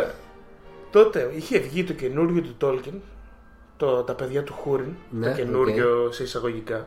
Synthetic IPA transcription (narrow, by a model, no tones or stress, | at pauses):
t̪o̞t̪e̞içeːvʝit̪o̞ce̞nuɾʝo̞t̪ut̪o̞lcin | t̪ot̪ɐpe̞ðʝɐt̪uxuɾint̪ce̞nuɾʝo̞se̞isɐɣo̞ʝikɐ